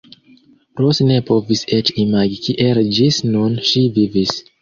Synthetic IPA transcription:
pɾosne̞poviset͡ʃimaɡikʰiʔeld͡ʒisnunʃivivis

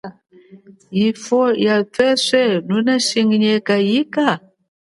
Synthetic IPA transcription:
jifɔjap͡fɛʂʷɛnunaʃiŋɡiɲɛkajika

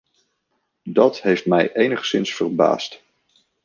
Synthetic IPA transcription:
dɑtɦejftmɛjʔejnəχsɪnsfərba̰ːst

